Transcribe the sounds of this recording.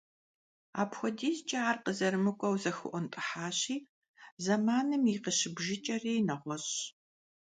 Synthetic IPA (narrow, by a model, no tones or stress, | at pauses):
a̰ːpxʷɔdiːzt͡ʃʼɐaːrqəzɐɾɨmɨkʷʼɔwzɐxɨ̰ʔʷɔntʼɨħaːɕiː | zɐmaːnɨmiqəɕɪbʒɪt͡ʃʼɐriːnɐʁʷɔɕ